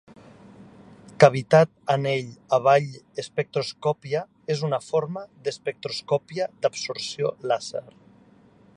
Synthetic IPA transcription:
kaβ̞it̪at̪aneʎaβ̞aʎespek̚t̪ɾoskɔpia | ezunafoɾmaðespek̚t̪ɾoskɔpiad̪absuɾsiolazeɾ

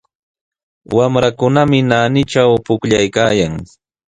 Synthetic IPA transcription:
wamɾakʊnamɪnaːnɪt͡ʃawpʊkʎajkaːjaŋ

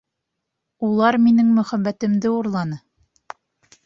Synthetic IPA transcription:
ulˠɑɾminɘŋmɵ̆χæbːæt̪ɘ̆md̪ɘuɾlˠɑnɤ

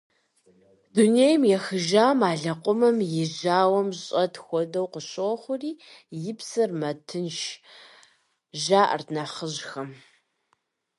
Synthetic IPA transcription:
dunejmjɛxɨʒaːmaːɮɐqʷʼʊmɐmjɪʑaːwɐmɕʼɐtʰxʷɔdɐwqəɕʼoχʷʊriːjɪpsɨrmɐtʰɨnʃ | ʒaːʔɐ̰rnaːχəʑxɐm

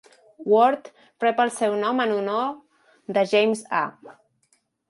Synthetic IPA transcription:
wɔɾt̪ | pɾɛpəlˠsɛwnɔmənuno | ðəʒejmza̰

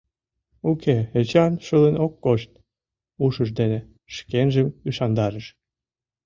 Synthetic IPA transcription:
ukʰeet͡ɕɑnʃəlenokːoʃt̪̚ | uʃəʃd̪ene | ʃkenʒəmiʃɑnd̪ɑɾəʃ

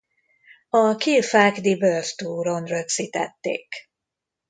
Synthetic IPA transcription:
ɒkilfakd̪ibørst̪uːɾonrøksit̪ɛ̰t̪ːḛːk

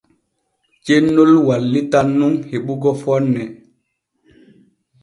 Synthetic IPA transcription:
t͡ʃenːolwalːitanːuŋheɓuɡɔfɔnːɛ

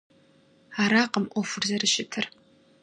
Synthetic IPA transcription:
aɾaqʼəmʔʷofʊrzɐrɨʃɪtʰɨr

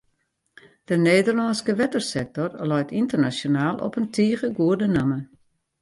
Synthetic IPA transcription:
d̥əneːdərlɔnskəʋɛtərsɛk̚tɔrlɔjtʰintərnasjonaːlˠʔɔ̰pəntʰiːɣəɡuərdənəmə

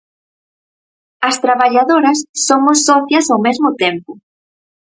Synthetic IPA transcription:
ɐst̪ɾaβaʎaðoɾɐsːomʊsːɔθjɐsawmezmʊt̪empʊ

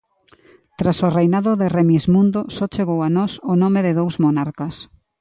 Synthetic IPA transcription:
t̪ɾasorejnaðʊðɪremizmũnd̪ʊsɔt͡ʃeɣowanɔsonɔmɪðɪðowzmonaɾkɐs

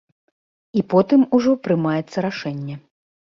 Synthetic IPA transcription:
ipɔt̪ɨmuʐɔpɾɨmajɛt̪sːɐɾaʂɛnʲːɛ

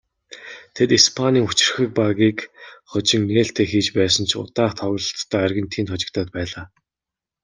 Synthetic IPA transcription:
t̪ʰet̪ispʰaniːŋut͡ɕɪ̆rxɘ̆k̚paɣiːkχɔt͡ɕɪ̆ŋneːɬt̪ʰeːxiːt͡ɕpæːsə̆nt͡ɕʰʊ̰t̪aːχt̪ʰɔɣɞ̆ɮt̪ʰːœːærɣʲɪ̆nt̪ʰiːnt̪χɔt͡ɕɪ̆kt̪ʰaːt̪̚pæːɮaː

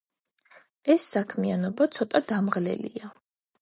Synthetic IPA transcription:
ɛsːakʰmianɔbat̪sʰɔt̪ʼad̪amʁlɛ̰lḭa

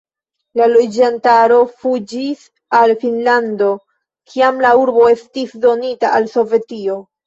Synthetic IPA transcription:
lalo̞d͡ʒantaɾo̞fud͡ʒis | alfinlando̞ | kʰiamlauɾbo̞e̞stisdo̞nitaalso̞ve̞tio̞

